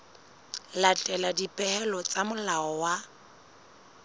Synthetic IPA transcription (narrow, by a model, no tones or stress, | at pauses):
latʼɛladipʼɛɛlɔt͡sʼamʊlaɔwa